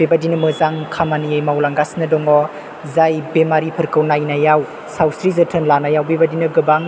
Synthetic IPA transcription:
bebadinɯmɯzaŋkʰamaniajmawlaŋɡasnɯdɔŋɔ | zajbemaɾipʰɯɾkɯwnajnajaw | sawsɾizətʰɯnlanajawbebadinɯɡɯbaŋ

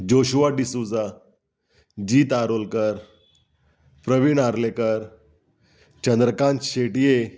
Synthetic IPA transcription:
d͡ʑoɕuʋaɖisud͡za | d͡ʑiːt̪aɾolkəɾ | pɾəʋiɳaɾlekəɾ | t͡ɕənd̪ɾəkãnt̪ɕeʈije

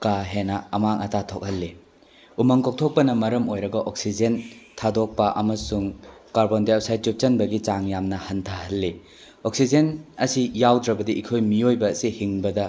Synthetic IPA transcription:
kaɦenɐɐmaŋɐtatʰok̚hɐlːi | umɐŋkok̚tʰok̚pɐnɐmɐɾɐmojɾɐɡɐʔok̚sid͡ʒentʰadok̚pɐʔɐmɐsuŋkaɾbondipsajt̚t͡ʃup̚t͡ʃɐnbɐɡit͡ʃaŋjamnɐhɐntʰɐhɐlːi | oksid͡ʒenɐsijawdɾɐbɐdiʔikʰojmiojbɐːsihiŋbɐdɐ

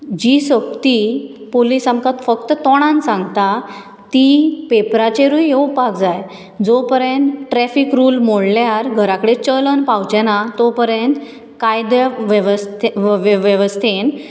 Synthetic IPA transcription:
d͡ʑisək̚t̪ipolisamkat̪fəkt̪ət̪ɔɽ̃ãnsãŋɡt̪a | t̪ipepɾat͡ɕeɾujɦewpakd͡zaj | d͡zopəɾjẽnt̪ʈɾɛfikɾuːlmoɽljaɾɡʱəɾakəɽet͡ɕələnpawt͡ɕɛnat̪opəɾẽnt̪ | kajd̪ʋʋst̪ʋʋeʋəst̪ʰen

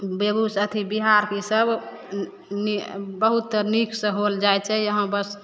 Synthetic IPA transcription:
bebusət̪ʰibiɦaɾkesəb | nibəɦut̪ːəɾniksə̃ɦold͡ʒajt͡ʃʰɛjəɦə̃bəs

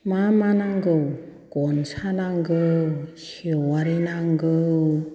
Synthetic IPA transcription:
mamanaŋɡɯw | ɡ̥ɔnsanaŋɡɯsiwaɾinaŋɡɯ

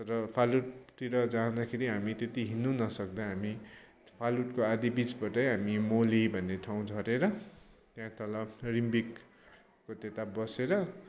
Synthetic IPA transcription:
t̪ʌɾʌpʰaluʈt̪iɾʌd͡zaũd̪akʰeɾiɦamit̪et̪iɦinunʌsʌk̚d̪ʌɦami | pʰaluʈkoad̪ibit͡sbʌʈʌjɦamimolibʱʌnːet̪ʰaw̃d͡zʱʰʌɾeɾʌt̪jãt̪ʰʌlʌbrimbikː | ot̪et̪abʌseɾʌ

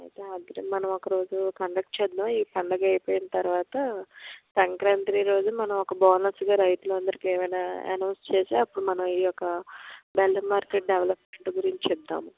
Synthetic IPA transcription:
ɐ̰jt̪eːɐɡ̪ɐɾemɐnɐmɔkɐɾo̞ːd͡ʒukɐɳɖɐk̚ʈ̚t͡ʃɛːd̪ːaiːpʰɐɳɖɐɡɐjpoːjinɐt̪ɐɾuʋaːt̪ɐsɐŋkɾaːnt̪ɾiɾo̞ːd͡ʒumɐnɐmɔkɐbaːnɐsɡaːɾɐjt̪ulɐnd̪ɐɾikeːʋɐjnaːḛnɐwnst͡ʃeːseːɐpːuɽumɐnɐmiːɔkɐbɛlːɐmaːɾkeʈ̚ɖeʋlɐpmeɳʈɡuɾiɲt͡ʃut͡ʃɛd̪a̰ːmu

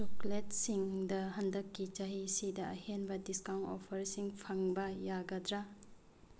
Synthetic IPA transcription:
t͡ʃuklet̚siŋdɐɦɐndɐkːit͡ʃaɦisidɐɐhenbɐdiskawntɔ̰pʰɐɾsiŋpʰɐŋbɐjaɡɐdɾa

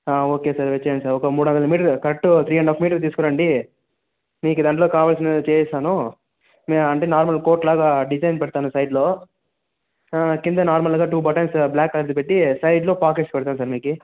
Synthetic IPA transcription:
aːoːke̞ːsaːɾʋet͡ʃːɐjɐnsaːɾɔkɐmuːɽuɐnd̪ɐlɐmiːʈɐɾkɐɾʈːut̪ʰɾiːɐɳɖoːfmiːʈ̬ɐɾt̪̬iːsu̥kɔɾɐɳɖi | miːkud̪ɐɳlo̞ːkaːʋaːls̬inɐt͡ʃeːjsaːnu | meɐɳʈeːnaːɾmɐlko̞ːɾʈlaːɡaːɖid͡ʒɐjnpɛɽt̪aːnusɐjɖloː | kind̪ɐnaːɾmɐlɡaːʈuːbɐʈɐnsblaːkːɐɾd͡ʒ̪ipeʈːisɐjɖloːpaːkeːʈspɛɽt̪aːnusaːɾmiːki

